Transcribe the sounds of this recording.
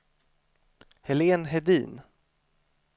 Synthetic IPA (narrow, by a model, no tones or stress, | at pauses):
hɛleːnɦɛd̪ḭːn